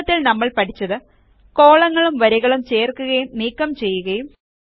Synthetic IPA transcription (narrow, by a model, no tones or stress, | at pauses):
ɐt̪ːilnɐmːɐɭpɐʈʰit͡ɕːɐðɨ | ko̞ːɭɐŋːɐɭumʋɐɾɐɣɐɭumt͡ɕe̞ːrkːuɣɐjumniːkːɐmt͡ɕe̞jːuɣɐjum